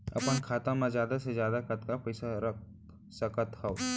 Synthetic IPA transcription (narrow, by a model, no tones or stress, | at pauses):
ɐ̰pənkʰaːt̪ãmãzjaːd̪asezjaːd̪akɐt̪kapɐɪsaɾək | sɐkət̪hao